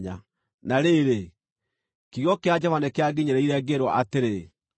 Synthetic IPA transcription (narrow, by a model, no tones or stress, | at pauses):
ɲa | naɾeːɾe | kiɣjɔkead͡ʒɔvanekeaɡiɲeɾɛiɾɛɡeɾwɔʔateɾe